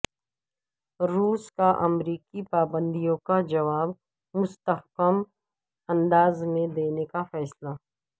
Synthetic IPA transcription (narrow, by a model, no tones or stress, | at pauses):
ɾuːskaʔɐmɾiːkipaːbə̃nd̪ijõkad͡ʒɐʋaːb | mʊst̪əhkəm | ɐ̃nd̪aːzmẽd̪eːnekafɛːsla